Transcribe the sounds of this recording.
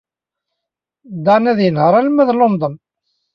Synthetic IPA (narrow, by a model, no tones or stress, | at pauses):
d̪anæðjənhəɾˤælmæðlomd̪ˤən